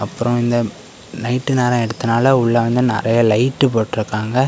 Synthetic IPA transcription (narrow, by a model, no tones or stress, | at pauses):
ɐpːɯɾɔ̃ɪnd̪ɐ | nɐɪʈːɯneːɾɐ̃ɛɽɯt̪ːɯnaːlɐʊɭːɐʋɐnd̪ɯnɪ̰ɾɐjɐlɐɪʈːɯp̬oːʈːɪɾɯkːaːŋɡɐ